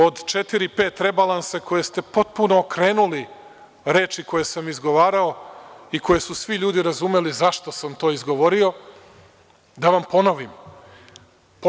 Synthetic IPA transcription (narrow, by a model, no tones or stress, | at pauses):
o̞d̪t͡ʃet̪iɾipe̞ːt̪ɾe̞balˠanseko̞je̞st̪e̞po̞t̪̚punoːkɾe̞ːnuli | ɾe̞ːt͡ʃiko̞je̞samizɡo̞ʋaːɾaoikʰo̞je̞susʋiʎuːd̪iɾazume̞lizaʃt̪o̞samt̪o̞ːizɡo̞ʋo̞ɾio̞ | d̪aʋampo̞no̞ʋim | p